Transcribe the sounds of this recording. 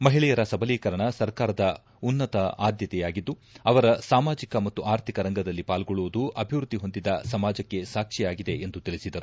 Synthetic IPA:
mɐɦiɭɛjɐɾɐsɐbʱɐliːkɐɾɐɳɐsɐɾkaːɾɐd̪ɐ | unːɐt̪ɐʔaːd̪jɐt̪ɛjaːɡid̪ːuɐʋɐɾɐsaːmaːd͡ʒikɐmɐt̪ːuʔaːɾt̪ʰikɐɾɐŋɡɐd̪ɐlːipaːlɡoɭuʋud̪uʔɐbʱiʋɾud̪ːiɦo̞nd̪id̪ɐsɐmaːd͡ʒɐkːe̞saːkʂɛjaːɡid̪e̞end̪ut̪iɭisid̪ɐɾu

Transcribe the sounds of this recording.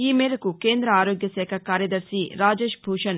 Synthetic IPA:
iːmeːɾɐkukeːnd̪ɾɐaːɾoːɡjɐsɛːkʰɐkaːɾjɐd̪ɐɾʃiɾaːd͡ʒeːʃbʱuːʂɐn

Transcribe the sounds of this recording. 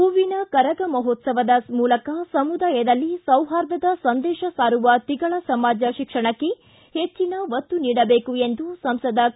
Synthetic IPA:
uʋinɐkɐɾɐɡɐmɐɦɔt̪sɐʋɐd̪ɐmuːlɐkɐsɐmud̪aːjɐd̪ɐlːisɐwɦaːɾd̪ɐd̪ɐsɐnd̪ɛːʃɐsaːɾuʋɐt̪iɡɐɭɐsɐmaːd͡ʒɐʃikʂɐɳɐkːe̞ | het͡ʃːinɐʋɐt̪ːuniːɽɐbeːkue̞nd̪usɐmsɐd̪ɐ

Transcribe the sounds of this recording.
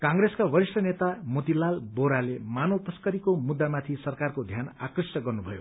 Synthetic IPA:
kãŋɡɾeskabʌɾisʈʌnet̪amot̪ilalboɾalemanʌwt̪ʌskʌɾikomud̪ːamat̪ʰisʌrkarkod̪ʱjana̰krʌsjʌɡʌrnubʱʌjo̰

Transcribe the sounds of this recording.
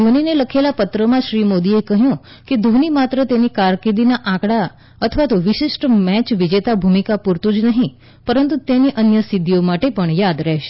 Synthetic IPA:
d̪ʱonineləkʰelapət̪ɾəmãʃɾimod̪iekəɦjũ | ked̪ʱonimat̪ɾət̪enikaɾked̪inaʔãkɽa | ət̪ʰəʋat̪oʋɪʃɪʃʈmɛt͡ʃʋid͡ʒet̪abʱumikapuɾt̪ũd͡ʒnəɦĩ | pəɾənt̪ut̪eniʔənjəsid̪ʱiomaʈepəɳjad̪ɾɛɦʃe̥

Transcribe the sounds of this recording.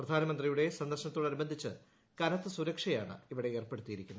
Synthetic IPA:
prɐd̪ʱaːnɐmɐnd̪rijuɽe̞sɐnd̪ɐrʂɕɐnɐt̪ːoːɽɐnubɐnd̪ʱit͡ɕːɨ | kɐnɐt̪ːɨsuɾɐkʂɐjaːɳɨ̰iʋiɽe̞eːrpe̞ɽut̪ːijiɾikʲːunː

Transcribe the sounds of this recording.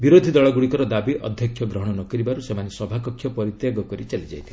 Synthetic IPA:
biɾod̪ʱid̪ɔɭɔɡuɽikɔɾɔd̪abiʔʔɔ̰d̪ʱjɔkʰjɔɡɾɔɦɔɽ̃ɔnɔkɔɾibaɾusemanesɔbʱakɔkʰːjɔpɔɾit̪jaɡɔkɔɾit͡ʃalid͡ʒajt̪ʰ

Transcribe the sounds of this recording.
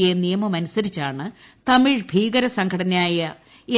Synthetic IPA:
enijɐmɐmɐnusɐɾit͡ɕːaːɳɨ | t̪ɐmiɻbʱiːɡɐɾɐsɐŋɡʰʱɐɽɐnɐaːjɐ | e

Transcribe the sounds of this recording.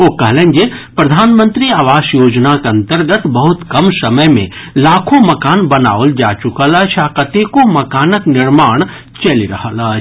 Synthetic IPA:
okɐɦlẽnd͡ʒepɾɐd̪ʱaːnmə̃nt̪ɾiaːʋaːʃjoːd͡ʒnakeɐ̃nt̪əɾɡət̪bɐɦʊt̪kɐmsɐməjmḛ̃ | laːkʰõmɐkaːnbɐna̰ːold͡ʒaːt͡ʃʊkəlɐt͡ʃʰakət̪ekomɐkaːnəknɪɾmaːɽ̃ | t͡ʃɐliɾɐɦələt͡ʃʰ

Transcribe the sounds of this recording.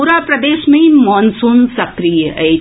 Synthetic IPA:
ɾaːpɾɐd̪eːʃmɐ̃imɔːnsuːnsɐkɾijəʔɐ

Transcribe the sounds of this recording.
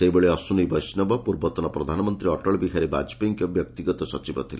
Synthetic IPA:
seibeɭeɔsunibɔjsnɔbɔpuɾbɔt̪ɔnɔpɾɔd̪ʱanɔmɔnt̪ɾiɔʈɔɭbiɦaɾiba̰d͡ʒpiŋkjɔbjɔk̚t̪iɡɔt̪ɔsɔt͡ʃibɔ̰t̪ʰile

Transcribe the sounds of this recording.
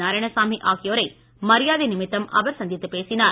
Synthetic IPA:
aːɾɐɳɐsaːmiʔaːɣɪjoːɾɐɪ | mɐɾɪjaːðinɪmɪt̪ːɐmɐ̰ʋɐɾsɐnd̪jɐt̪ːɯpeːsɪnaːɾ

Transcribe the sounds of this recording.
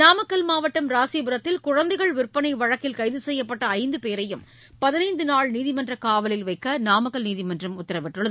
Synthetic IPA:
naːmɐkːɐlmaːʋɐʈːɐmɾaːsibɯɾɐt̪ːɪlkʊɻɐnd̪ɐɪɣɐɭʋɪrpɐnɐɪʋɐɻɐkːɪlkɐɪðɯsɛjːɐpːɐʈːɐːɪnd̪ɯpeːɾɐjɯm | pɐðɪnɐɪnd̪ɯnaːɭniːðɪmɐndrɐkaːʋɐlɪlʋɐɪkːɐnaːmɐkːɐlniːðɪmɐndrɐmʊt̪ːɐɾɐʋɪʈːɯɭɐð

